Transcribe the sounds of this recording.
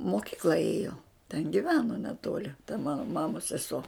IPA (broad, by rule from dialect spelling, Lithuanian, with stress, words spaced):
moːˈkʲɪklˠɐ ˈeːjoː tʲɛn ɡʲɪˈʋʲæːnoː nʲɛˈtoːlʲɪ tɐ ˈmɑːnoː ˈmɑːmoːs sʲɛˈsoː